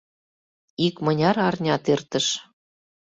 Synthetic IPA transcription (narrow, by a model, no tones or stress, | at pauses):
ikmɤnʲɑɾɑrnʲɑt̪ert̪ə̆ʃ